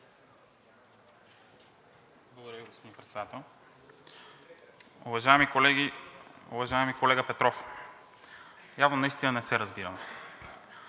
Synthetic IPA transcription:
blˠɡod̪ɐɾɐviɡospod̪inpɾɛt̪sd̪at̪ɛlˠ | ʊvɐʒaɛmikolɛɡiʊ̰vɐʒaɛmikolɛɡəpɛt̪ɾɔf | javnonɐist̪inənɛsɛɾɐzbiɾənɛ

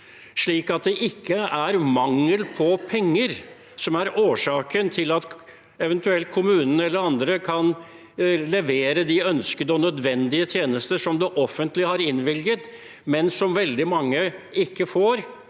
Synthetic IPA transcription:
ʂɭiːkɑt̪̚d̪ɛʔɪkʰːəæɾmɑŋːəlpʰɔpʰɛŋːəɾ | sɔmæɾoːʂɑːkənt̪ʰɪlɑt̪ | ɛʋɛnt̪ʉɛlt̪̚kʰʊmʉːnənɛlːəɾɑnd̪ɾəkʰɑn | lɛʋeːɾəd̪ɪœnskəd̪əɔnœd̪ʋɛnd̪ɪət̪ʰjeːnəst̪əʂɔmd̪ɛʔɔfːənt̪lɪhɑɾɪnʋɪlɡət̪ | mɛnsɔmʋɛld̪ɪmɑŋːəɪkːəfoːɾ

